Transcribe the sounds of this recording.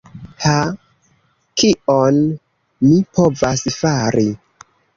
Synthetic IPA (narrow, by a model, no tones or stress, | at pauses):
ha | kion | mipo̞vasfaɾi